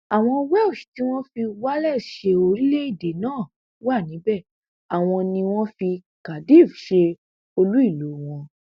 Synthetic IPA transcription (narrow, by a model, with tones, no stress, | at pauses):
a˨w̃ɔ̃˧wɛ˦o˦˨ʃu̥˨ti˦w̃ɔ̃˦fi˧wa˦lɛ˦˨ʃe˧o˧ɾi˦le˦i˦˨de˨nãː˦˨ | wa˦˨nĩ˨˦bɛ˦˨ | a˨w̃ɔ̃˧nĩ˧w̃ɔ̃˦fi˧ | ka˨di˦˨fʃe˧ | o˧lu˦i˦˨lo˨˦w̃ɔ̃˧